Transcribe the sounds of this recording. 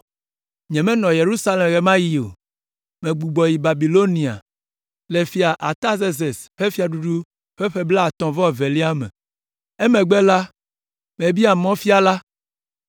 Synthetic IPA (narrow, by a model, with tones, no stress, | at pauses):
ɲɛ̃˨mɛ̃˦nɔ̃˨je˨ɾu˦sa˦le˨mɣe˨mã˦ji˨o̰˨ | mẽ˨ɡ͡bu˨ɡ͡bɔ˨ji˨ba˨bi˨lo˦nĩ˨a̰˨ | le˨fi˦a˨ʔa˨t̪a˦ze˦ze˨sɸe˦fi˦a˨ɖu˦ɖu˦ | ɸe˦ɸe˦bla˦a˨t̪ɔ̃˨vɔ˦˨ve˨li˦a˦mɛ̰̃˨ | e˦mẽ˨ɡ͡be˦la˦ | me˨bi˦a˨mɔ̃˦fi˦a˨la˦